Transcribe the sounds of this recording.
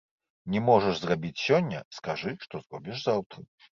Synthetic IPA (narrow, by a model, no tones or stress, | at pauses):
nʲɛmɔʐɛʐzrabʲit͡sʲsʲɔnʲːɐ̰skaʐɨʂt̪ɔzrɔbʲiʂzawt̪ɾɐ